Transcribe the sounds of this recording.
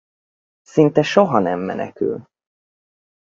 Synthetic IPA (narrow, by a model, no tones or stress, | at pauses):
sint̪ɛʃoɦɒnɛmːɛ̰nɛ̰ky̰l